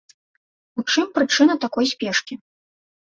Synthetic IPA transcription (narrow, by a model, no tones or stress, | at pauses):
ut͡ʂɨmpɾɨt͡ʂɨnɐt̪akɔjsʲpʲɛʂkʲi